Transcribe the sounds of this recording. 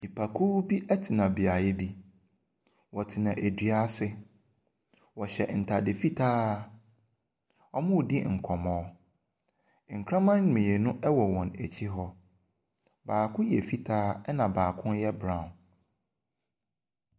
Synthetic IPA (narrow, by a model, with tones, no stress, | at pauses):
i˨pʰa˨kʰu˦bi˦ʔɛ˦tʰɪ˨nã˨bi˨a˨jɛ˦bi˦ | wɔ˨tʰɪ˨nã˨ʔæ˨dɥa˦sɪ˦ | wɔ˨ɕɛ˨n̩˨tʰa˨dɪ˨fi˦tʰaː˦ | ɔ˦mʊ̃˦˨dɪ˦ŋ̩˨kʰɔ˨mɔ̃ː˨˦ | ŋ̩˨kʰɾã˦mã˦n˦ɲ˨mĩ˨e˨nʊ̃˦ʔɛ˦wɔ˨wɔ̃˨næ˨t͡ɕʰi˦ɦɔ˦ | baː˨kʰʊ̃˦jɛ˨fi˦tʰaː˦ɛ˦nã˨baː˨kʰʊ̃˦njɛ˦bɾã˨n